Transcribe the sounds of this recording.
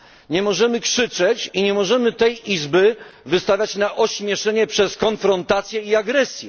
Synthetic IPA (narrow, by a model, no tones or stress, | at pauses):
ɲɛmɔʐɛmɘkʂɘt͡ʂɛt͡ɕiɲɛmɔʐɛmɘt̪ɛjizbɘvɘst̪avʲjat͡ɕnaʔɔɕmʲjɛʂɛɲɛpʂɛskɔnfɾɔnt̪at̪sʲjɛiaɡɾɛsʲjɛ